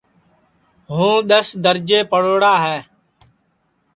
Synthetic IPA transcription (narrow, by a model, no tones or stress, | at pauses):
ɦũːɗ̪əsd̪əɾd͡ʒeːpəɽoːɽaːɦɛː